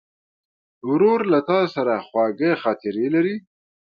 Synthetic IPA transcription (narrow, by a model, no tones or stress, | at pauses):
wɾoɾlat̪ɑsaɾaxwɑɡəxɑt̪ɪɾelaɾi